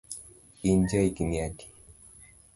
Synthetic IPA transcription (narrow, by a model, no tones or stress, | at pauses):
ind͡ʒaikiniaki̥